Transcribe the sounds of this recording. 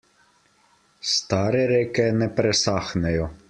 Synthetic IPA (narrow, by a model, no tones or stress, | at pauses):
st̪aːɾɛɾeːkɛnɛpɾɛsaxnɛjɔ